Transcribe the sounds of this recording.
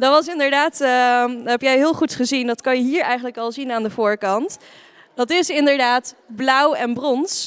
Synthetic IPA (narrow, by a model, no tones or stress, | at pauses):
dɑtʋɑs̬ɪndəɹdaːt | ɦɛpjɛjɦɪːlˠχutχəzindɑtkɑnjəɦiːɹɛjχənləkɑlˠzinaːndəvʊːɹkɑnt | d̥ɑtɪsɪndəɹdaːtblʌwɛnbrɔns